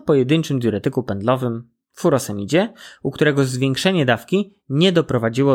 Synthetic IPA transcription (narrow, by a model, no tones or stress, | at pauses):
pɔjɛd̪ɘɲt͡ʂɘmd̪ʲjuɾɛt̪ɘkupɛnd̪lɔvɘm | fuɾɔsɛmʲid͡ʑɛukt̪uɾɛɡɔzvʲjɛŋkʂɛɲɛd̪afkʲi | ɲɛd̪ɔpɾɔvad͡ʑiwɔ